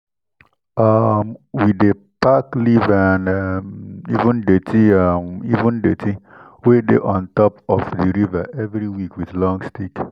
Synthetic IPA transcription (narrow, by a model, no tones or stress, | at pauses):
amwide | paklivanmḭvʊ̃ndetiamivũndetʰi | wedḛʔɔ̃ntɔpɔfdiɾiva̰ʔɛvɾiwikwiðlɔ̃ŋstik